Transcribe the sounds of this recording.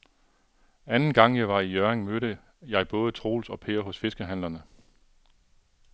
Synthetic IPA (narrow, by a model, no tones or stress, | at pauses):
ænn̩ɡ̥ɑ̈ŋ̰jɑ̈ɪʋɑ̈ijœeŋmøɾə | jɑ̈ɪb̥ɔ̽ːð̞ˠət͡sʰʁo̝̰ːlsɒ̽pʰe̝̰ːɐɦɔ̽sfe̝sɡ̥əɦæn̰lɐnə